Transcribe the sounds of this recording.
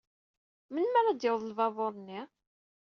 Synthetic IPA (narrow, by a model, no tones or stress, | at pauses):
mənmæɾad̪jɪwðˤəlvɑðˤoɾˤnːi